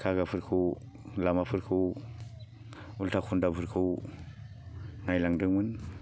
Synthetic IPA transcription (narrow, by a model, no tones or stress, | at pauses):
kʰaɡapʰɯɾkʰu | lamapʰɯɾkʰu | ultʰakʰundapʰɯɾkʰuw | najlaŋdɯŋmɯn